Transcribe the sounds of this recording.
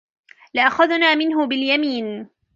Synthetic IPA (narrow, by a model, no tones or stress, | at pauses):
lɪʔaxaðnaːmɪnɦʊbɪljamiːn